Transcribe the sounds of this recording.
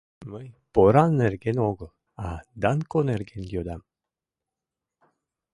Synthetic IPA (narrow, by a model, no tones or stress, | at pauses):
məjpoɾanːerɡenoɡəlˠ | ad̪ankoneɾɡend̪ʲjod̪am